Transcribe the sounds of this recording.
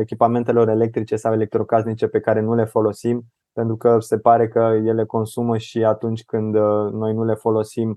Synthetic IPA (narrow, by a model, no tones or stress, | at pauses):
ekʲipame̞nt̪e̞lo̞ɾe̞le̞k̚t̪ɾit͡ʃe̞sawe̞lek̚t̪ɾo̞ɡaznit͡ʃe̞pe̞kaɾe̞nule̞fo̞lo̞sim | pe̞nt̪ɾukəse̞paɾe̞kəje̞le̞ko̞nsuməʃiat̪unt͡ʃʲkɨnd̪no̞jnule̞fo̞lo̞sim